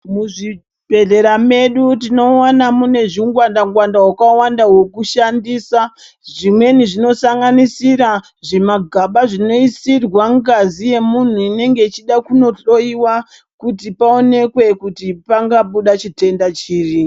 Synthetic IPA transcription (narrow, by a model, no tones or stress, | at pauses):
muʐi | bʱe̞ɮe̞ɾame̞ɗutino̞wanamune̞ʐiuŋɡwandaŋɡwandaɦwakawandaɦwo̞kuʃandiːsa | ʐimwe̞niʐino̞saŋɡanisiɾa | ʐemaɡʱaɓaʐino̞isirwaŋɡazije̞mun̤uine̞ŋɡe̞it͡ʃiɗakuno̞ɬo̞iwa | kutipao̞ne̞kwe̞kutipaŋɡaɓuɗat͡ʃite̞ndat͡ʃiːri